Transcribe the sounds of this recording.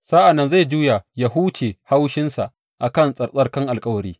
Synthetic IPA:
saː˦ʔa˨nːɐ˦nza˦˨jd͡ʒuː˦ja˨ja˦ɦuː˦t͡ʃeː˨ha˦wʃɪ˦nsa̰˨ʔ | ʔa˨kɐ˦˨nsʼɐ˨sʼɐ˦rkɐ˦ŋʔa˨lkʼɐ˦wɐ˨ɾiː˦

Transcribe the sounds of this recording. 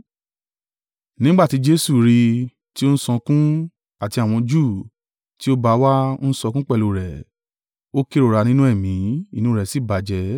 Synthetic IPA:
nĩ˦ɡ͡ba˦˨ti˨˦d͡ʒe˦su˦˨ɾi˧ | ti˦o˦n̩˦sɔ̃˧kũ˦ | a˨ti˧a˨w̃ɔ̃˧d͡ʒuː˦˨ | ti˦o˦ba˧wa˦o˦n̩˦sɔ˧kũ˦k͡pɛ˦˨lo˨ɾɛ˨ | o˦ke˦ɾo˨ɾa˧nĩ˦nũ˦ɛ˦˨mĩ˨˦i˦˨nũ˦ɾɛ˨si˨˦˨ba˨d͡ʒɛ˧˦

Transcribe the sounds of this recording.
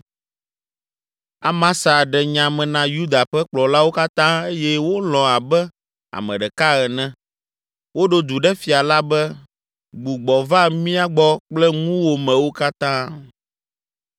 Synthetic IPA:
a˨mã˦sa˨ɖɛ˨ɲã˨mɛ̃˨nã˨ju˦d̪a˨ɸɛ˦k͡plɔ˨la˦wo˦ka˦t̪ã˦e˦jɛ˦wo˦lɔ̃˨a˨bɛ˦ | a̰˨mɛ̃˨ɖɛ˨ka˦ɣɛ˨nɛ̃˦ | wo˦ɖo˦d̪u˨ɖɛ˦fi˨a˨la˦bɛ˦ | ɡ͡bu˨ɡ͡bɔ˨va˦mĩ˦a˦ɡ͡bɔ˦k͡plɛ˦ŋũ˦wo˨mɛ̃˨wo˦ka˦t̪ã˦

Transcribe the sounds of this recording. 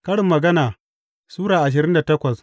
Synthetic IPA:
kɐ˦ɽɪ˨mːɐ˨ɡɐ˦naː˨ | suː˦ɽaː˨ʔa˨ʃ̬ɪ˨ɾɪ˦nda˨tɐ˦kʷɐ˨s

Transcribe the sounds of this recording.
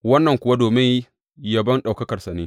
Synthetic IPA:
wɐ˦nːɐ˨ŋkʷʊ˨wa˦doː˨mɪ˦ŋ | jɐ˦bɐ˦nɗa˨wkɐ˦kɐ˨sa˨neː˦

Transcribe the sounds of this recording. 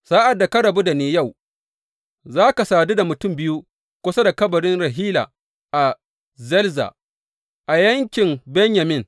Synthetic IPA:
sa˦ʔa˨dːa˨kɐ˦ɽɐ˨bu˦da˨neː˦ja˦˨w | zaː˦ka˨saː˨du˦da˨mʊ˨tʊ˦mbɪ˦ju˦ | kʷʊ˦sa˦da˨kɐ˦bɐ˨ɽɪ˦nɽɐ˨ɦiː˦la̰ː˨ | ʔa˨ | zɛ˦lza̰˨ | ʔa˨jɐ˦ŋkʲɪ˨mbɛ˦ɲja˨mɪ˦˨ŋ

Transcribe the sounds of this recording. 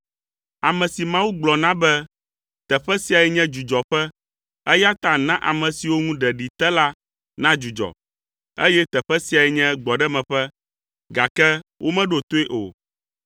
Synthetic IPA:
a˨mɛ̃˨si˨mã˦wu˦ɡ͡blɔ˨nã˦bɛ˦ | t̪ɛ˨ɸɛ˦si˦a˨ɛ˨ɲɛ̃˦d͡ʒu˨d͡ʒɔ˨ɸɛ˦ | ɛ˦ja˦t̪ã˨nã˦ʔa̰˨mɛ̃˨si˨wo˦ŋũ˦ɖɛ˨ɖi˨t̪ɛ˦la˦ | nã˦d͡ʒu˨d͡ʒɔ̰˨ | e˦jɛ˦t̪ɛ˨ɸɛ˦si˨˦a˨ɛ˨ɲɛ̃˦ɡ͡bɔ˨ɖɛ˦mɛ̃˨ɸɛ˦ | ɡa˨kɛ˦wʔo˦mɛ̃˦ɖo˨t̪o˦e˦ʔo̰˨

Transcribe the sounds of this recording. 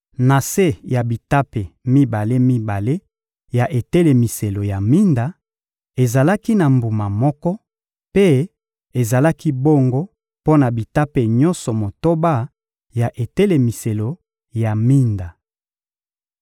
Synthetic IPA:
na˨se˦ja˨bi˨ta˦pe˨mi˦ba˨le˦mi˦ba˨le˦ | ja˨ʔe˨te˦le˨mi˨se˨lo˨ja˨mi˦nda˨ | e˨za˨la˦ki˦na˨mbu˨ma˨mɔ˦kɔ˦ | pe˦ | e˨za˨la˦ki˦bo˦ŋɡo˦ | po˦na˨bi˨ta˦pe˨ɲɔ̃˦nsɔ˨mo˨to˦ba˦ | ja˨ʔe˨te˦le˨mi˨se˨lo˨ | ja˨mi˦nda˨

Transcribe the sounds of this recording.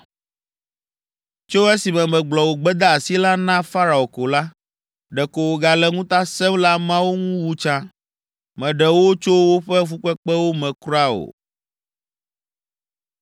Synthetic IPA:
t͡ʃo˦e˦si˨mɛ̃˨mɛ̃˨ɡ͡blɔ˨wo˨ɡ͡bɛ˦d̪a˦a˨si˦la˦nã˦fa˦ɾa˨o˨ko˨la˦ | ɖɛ˨ko˨wo˨ɡa˨lɛ˦ŋũ˦t̪a˦sɛ˦mla˦mã˦wo˦ŋũ˦wu˦t͡ʃã˦ | mɛ̃˨ɖɛ˨wo˦t͡ʃo˦wo˦ɸɛ˦fu˦k͡pɛ˦k͡pɛ˦wo˦mɛ̃˨kɾa˦o̰˨

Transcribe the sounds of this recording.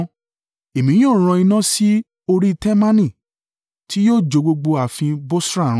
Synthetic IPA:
e˨mĩ˨˦j̃o˦˨ɾ̃ɔ̃˧i˧nã˦si˦ | o˧ɾi˦tɛ˦mã˦nĩ˦˨ | ti˦joː˦˨d͡ʒo˨˧ɡ͡bo˧ɡ͡bo˧a˨fĩ˧bo˦sɾa˦˨˦

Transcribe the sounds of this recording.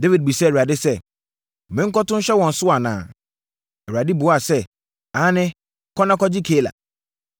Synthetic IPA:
de˦vi˨d̚bi˨sɛ˦˨a˨dɪ˦sɛ˦˨ | mɪ̃˨ŋ̩˦kɔ˦tʊ̃˦ɕɛ˦wɔ̃˨n̩˨sʊ˦a˨nã̰ː˨ | ɛ˨ɥa˨dɪ˦bʊ˨˦a˨sɛ˦ | ãː˨˦nɪ̃˦ | kʰɔ˦nã˦kɔ˦d͡ʑɪ˦kʰeː˦˨la̰˨

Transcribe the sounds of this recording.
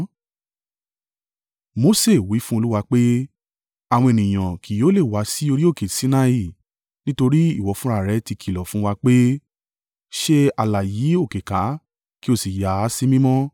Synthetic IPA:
mo˧˦se˦˨wi˨˦fũ˦o˧lu˦wa˧k͡pe˦ | a˦˨w̃ɔ̃˧e˨nĩ˨j̃ã˨kʰi˨jo˨˦le˦˨wa˨˦si˦o˧ɾi˦o˦˨ke˨si˨˦nã˧i˦˨ | nĩ˦to˧ɾi˦i˦˨wɔ˨˦fũ˦ɾa˦˨ɾɛ˧˦ti˧kʰi˨lɔ˨fũ˦wa˧k͡pe˦ | ʃe˦a˨la˨jiː˨˦o˦˨ke˨ka˨˦ | ki˦o˦˨si˨ja˨˦˨si˦mĩ˦mɔ̃˦

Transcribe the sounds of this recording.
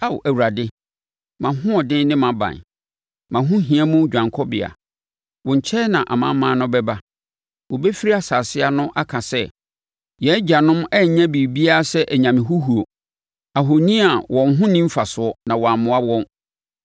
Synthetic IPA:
a˦˨wæ˨wu˨ɾa˨dɪ˦ | mã˨ɦʊ̃˦ɔ˨dɪ̃˦nnɪ̃˦mã˨bã̰˨n | mã˨ɦʊ̃˦ɦĩ˨ɛ˦mũ˦d͡ʑᶣã˨ŋkʰɔ˦bɪ̰˨a̰˨ | wɔ̃˨ɲ̩˨t͡ɕʰɛ˦nã˨ʔa̰˨mã˦mãː˦nʊ̃˦bɛ˦ba˦ | wɔ˨bɛ˦fi˦ɾi˦a˨saː˨sɪ˦a˦nʊ̃˦ʔa˦kʰã˨sɛ˦ | jɛ˦d͡ʑa˨nʊ̃˦mɛ˦˨ɲã˦bi˨bi˦a˦a˦sɛ˦ʔæ˨ɲã˨mɪ̃˨ɦu˦hu˨o˨ | a˨ɦo˨nĩ˦a˨wʔɔ̃˨nɦʊ̃˦nĩ˦m̩˦fa˨sʊ˨˦ɔ˦nã˨wɔ˨a˨mʊ̃˨a˦wɔ̃˦n

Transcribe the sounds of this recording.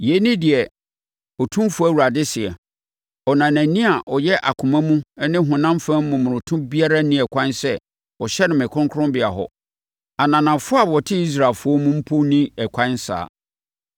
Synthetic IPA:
je˨˦nĩ˦dɪ˨ɛ˨ | ɔ˨tʰũ˦mfʊ˦æ˦wu˨ɾa˨dɪ˦sɪ˨ɛ˨ | ɔ˨nã˨næ̃˨nĩ˦a˨ʔɔ˨jɛ˦ʔa̰˨kʷʰʊ̃˨mã˦mũ˦nɪ̃˦ɦʊ̃˨nã˦mfã˦m̩˦mʊ̃˨mʊ̃˨ɾʊ̃˨tʰʊ̃˦bi˦a˦ɾa˦nĩ˦ɛ˨kʷʰã˦nsɛ˦ | ɔ˨ɕɛ˦nɪ̃˨mɪ̃˨kʰʊ̃˦ŋkʰʊ̃˦mbɪ˨a˨ɦɔ̰˨ | a˨nã˨nã˨fʊ˦a˦˨bwɔ˨tʰɪ˦i˦s̬ɾa˨lfʊ˦ɔ˦mũ˦m̩˦pʰo˦nĩ˦ɛ˨kʷʰã˦n˦sa̰ː˨

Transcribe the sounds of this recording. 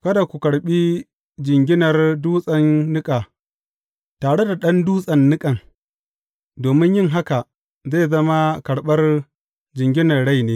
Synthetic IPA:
kɐ˦da˨kʷu˨kɐ˨ɽɓi˦ | d͡ʒɪ˨ŋɡʲɪ˦nɐ˨rduː˦sʼɐ˨nːɪ˦kʼaː˨ | taː˨ɽe˦da˨ɗɐ˦nduː˦sʼɐ˨nːɪ˦kʼɐ˨ŋ | doː˨mɪ˦ɲjɪ˦ŋɦa˦ka˨ | za˦˨zɐ˦ma˦kɐ˨ɽɓɐ˦r | d͡ʒɪ˨ŋɡʲɪ˦nɐ˨rɽa˦jneː˦

